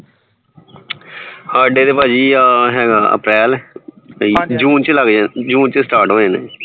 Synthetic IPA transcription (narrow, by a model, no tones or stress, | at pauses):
haːɖeːd̪eːpaːd͡ʒiːaːɦɛːɡaːə̰pɾɛːl | id͡ʒuːnt͡ʃləɡd͡ʒd͡ʒuːnt͡ʃəsʈaːɾʈɦõːẽːnḛː